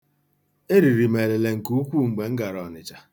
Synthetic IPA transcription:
e˦ɾi˨ɾi˨me˨le˨le˨ŋ̩˨ku˦kʷu˦ŋ͡m̩˨ɡ͡be˨ŋ̩˦ɡa˨ɾɔ˨nɪ˨t͡ʃa˨

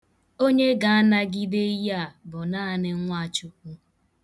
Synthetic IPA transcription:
o˦ɲe˦ɡa˨a˦na˦ɡi˦de˦ja˦˨bʊ˨naː˦˨nɪ˦ŋ̩˦ŋʷa˦˨t͡ʃʊ˨k̚ʷu˦

